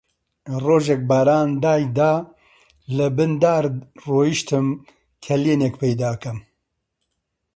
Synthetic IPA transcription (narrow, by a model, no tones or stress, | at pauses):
roːʒɛk̚baːɾaːnd̪aːjd̪aː | lɨbɨnd̪aːɾroːjiʃt̪ɨm | kʰɛleːnekpʰɛjd̪aːkɐm